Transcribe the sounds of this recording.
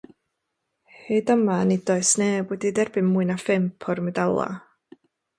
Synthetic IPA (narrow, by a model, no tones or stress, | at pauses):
hedəmanidɔɨsnebwɛdidɛrbɨnmuɨnafɪmpʰɔrmɛdalˠa̰